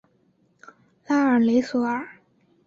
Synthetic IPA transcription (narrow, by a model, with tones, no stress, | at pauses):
la˥ə˞˨˩le˧˥ɪsɔ˧˥ə˞˨˩